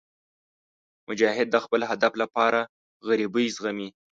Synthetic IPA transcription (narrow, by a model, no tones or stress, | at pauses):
mʊd͡ʒɑɦɪd̪̚ːəxpəlɦad̪aflapɑɾa | ɣaɾibəjzɣami